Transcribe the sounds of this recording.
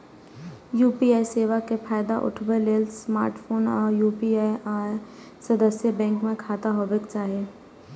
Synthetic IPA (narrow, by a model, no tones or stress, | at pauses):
juːpiaːiseːʋakefʰaːjd̪aʔʊ̰ʈʰbeleːlsma̰ːɾʈfʰoːnɔːɾjuːpiaːiaːj | sɐd̪əsjəbɛ̃ːŋkmẽkʰaːt̪aɦoːbɪkt͡ʃaːɦieː